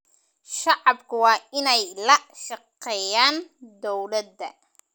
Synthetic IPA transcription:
ʃɑʕɑbkʰʊwɑːɪnɛjlɐʃɑqɛːjaːnd̪ɔwlɐd̪ːɐ

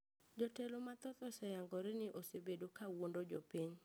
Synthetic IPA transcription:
d͡ʒotelomat̪ɔt̪ɔsɛjaŋɡɔɾɪnɪʔosebedokawondod͡ʒopiɲ

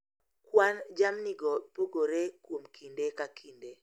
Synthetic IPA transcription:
kwand͡ʒamniɡɔpoɡoɾekwomkʰindekakʰinde

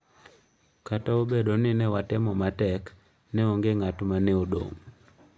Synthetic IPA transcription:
kataobedonɪnɛwatɛmɔmatɛk | nɛoŋɡeŋatmanɛodo̰ŋ

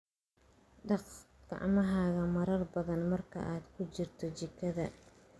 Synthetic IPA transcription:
ɖɑqɡ̥ɑ̰ʕmɐɦaːɣɐmɐɾɐrbɐðɐnmɐrkʰɐ̰ʔaːd̪kʰʊt͡ʃɪrt̪ʰɔt͡ʃɪkʰːɐðɐ

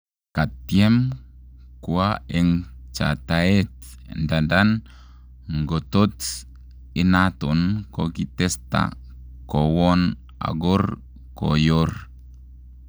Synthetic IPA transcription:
kat̪iɛm | kuaɛŋt͡ʃa̰t̪aɛt | ndandan | ŋɡɔt̪ɔts | inat̪unkokit̪ɛst̪a̰ | kowɔn | a̰ɡɔr | ko̰jɔr

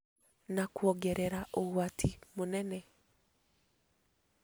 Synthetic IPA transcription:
nakuɔɡɛɾɛɾaʔoɣwatʰimonɛnɛ

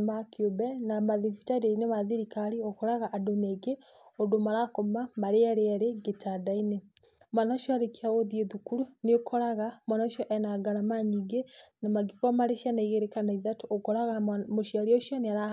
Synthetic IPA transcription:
makjobɛnamaðifitaɾeɾinemaðiɾikaɾiokɔɾaɣaʔadoneɡe | odomaɾakomamaɾeaɾeaɾeɡetʰadaine | manaʃɔaɾekeaoðjeðukuɾuneokʰɔɾaɣamwanaʃjɔʔɛnaɡaɾamaɲiɡenamaɡikɔmaɾeʃanaiɣeɾekanaiðatoʔokɔɾaɣamoʃiaɾiɔʃjaneaɾa

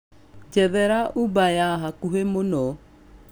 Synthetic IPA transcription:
d͡ʒɛðɛɾaʔubajaɦakuɦemonɔ

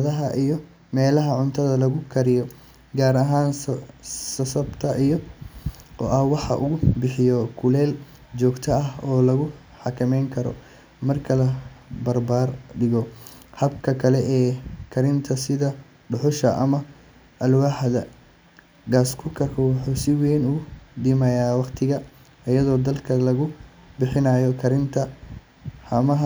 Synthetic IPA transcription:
ðɐɦɐʔijɔ | mɛːlɐɦɐʕʊnt̪ʰɐðɐlɐɣʊkʰɐɾɪjɔ | ɡaːɾɐɦaːn | sɐsɐbt̪ʰɐʔijɔ | ɔ̰ːʔɐhwɑħɑ̰ʔʊɣʊbɪħɪjɔkʰʊlɛːl | t͡ʃɔːɡt̪ʰɐɐhɔːlɐɣʊ | ħɑkʰɐmɛjŋkʰɐɾɔ̰ | mɐrkʰɐlɐbɐrbaːrɖɪɣɔhɐbkʰɐkʰɐlɛʔɛːkʰɐɾɪnt̪ʰɐsɪðɐ | ɖʊħʊʃɐʔɐmɐ | ʔɐlwɑħðɐ | ɡaːskʰʊkʰɐrkʰɔwʊħuːsɪwɛːnʊɣʊd̪ɪmɐjaːwɑqt̪ʰɪɣɐ | ɐjɐðɔːd̪ɐlkʰɐlɐɣʊ | bɪħɪnɐjɔkʰɐɾɪnt̪ʰɐ | hɐmɐɦɐ

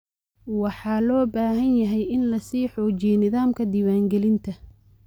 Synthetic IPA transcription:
wɑħɑːlɔːbaːɦɐnjɐɦɛjɪnlɐsiːħɔːt͡ʃijnɪðaːmkʰɐd̪iːwaːŋɡɛlɪnt̪ʰɐ

